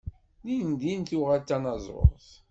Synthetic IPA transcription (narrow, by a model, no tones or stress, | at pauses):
lind̪int̪uʁalt̪ːænɑzˤɾo̰θ